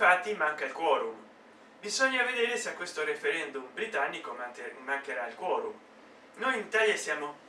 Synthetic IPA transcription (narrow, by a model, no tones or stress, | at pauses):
fat̪ːimaŋkailkwɔːɾum | bizɔɲːaved̪eːɾeseakːwest̪oɾefeɾɛnd̪umbɾit̪anːikoːaŋkeɾailkwɔːɾum | nojinit̪aːljasjaːmo